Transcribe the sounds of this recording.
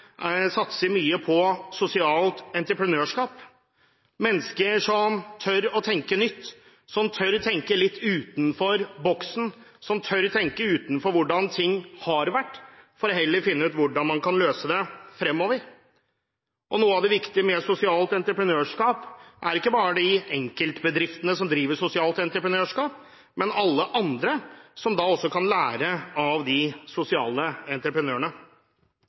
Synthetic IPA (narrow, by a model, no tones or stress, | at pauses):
sɑt̪səɾmyːəpʰɔsʊsɪɑːlt̪ɛnt̪ɾəpʰɾənøːʂkɑːp | mɛnːskəɾʂɔmt̪ʰœɾɔt̪ʰɛŋkənʏt̪ː | sɔmt̪ʰœɾt̪ʰɛŋkəlɪt̪ːʉːt̪n̩fɔɾbɔksn̩ | sɔmt̪ʰœɾt̪ʰɛŋkəʉːt̪nfɔɾʋʊɖɑnt̪ʰɪŋːhɑɾʋæʈːfɔɾɔɦɛlːəɾfɪnːəʉːt̪ʋʊɖɑnmɑnkʰɑnløːsəd̪ɛfɾɛmːɔːʋəɾ | ʔɔnuːəɑʋd̪ɛʋɪkt̪ɪəmɛsʊsɪɑːlt̪ɛnt̪ɾəpɾənøːʂkɑːpʔæɾɪkːəbɑːɾəd̪ɪɛŋkəlt̪bəd̪ɾɪft̪ənəsɔmd̪ɾiːʋəsʊsɪɑːlt̪ɛnt̪ɾəpɾənøːʂkɑːp̚ | mɛnɑlːəʔɑnd̪ɾəsɔmd̪ɑːɔsːɔkʰɑnlæːɾəɑʋd̪ɪsʊsɪɑ̰ːləɛnt̪ɾəpɾənøːəɳə